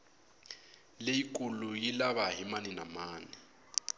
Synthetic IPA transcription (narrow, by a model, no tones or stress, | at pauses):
lejikʼulujilaβaɦimaninamaːni